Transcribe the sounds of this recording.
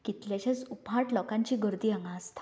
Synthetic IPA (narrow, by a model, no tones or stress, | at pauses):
kit̪ljaɕat͡supɦãʈlɔkãɲt͡ɕiːɡəɾd̪iːaŋɡãːst̪ḁ